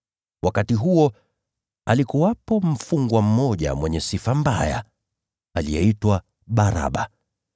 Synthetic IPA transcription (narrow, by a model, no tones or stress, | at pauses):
wakatiɦuɔ | alikuwapɔm̩fuŋɡwam̩mɔʄa̰mwɛɲɛsifambaja̰ | alijɛ̰itwa | ɓaɾa̰ɓa